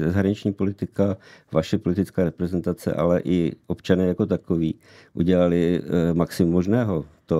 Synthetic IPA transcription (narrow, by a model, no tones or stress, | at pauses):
zɛzaɦɾaɲɪt͡ʃɲiːpo̞lɪt̪ɪkavaʃɛpo̞lɪt̪ɪt͡skaːɾɛpɾɛzɛnt̪at͡sɛ̰ʔa̰lɛʔɪʔopt͡ʃanɛːjako̞t̪akoviː | ʔṵɟɛlalɪmaksɪmumːo̞ʒnɛːɦot̪o